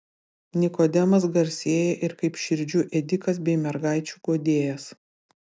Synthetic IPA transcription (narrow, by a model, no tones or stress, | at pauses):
nʲɪkoːd̪ʲɛmɐs̬ɡɐɾʲsʲeːjɛʔɪɾkɐɪpʃʲɪɾʲd͡ʒʲuʔɛd̪ʲɪkɐsbʲɛɪmʲɛɾɡɑˑɪt͡ʃʲuɡoːd̪ʲeːjɛs